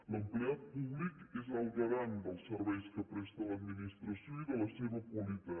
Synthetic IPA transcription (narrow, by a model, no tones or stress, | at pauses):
ləmpleat̪̚puβlikezalt̪əɾand̪əlˠsəɾβɛjskəpɾɛst̪alad̪minist̪ɾasjoiðəlaseβəpwalit̪a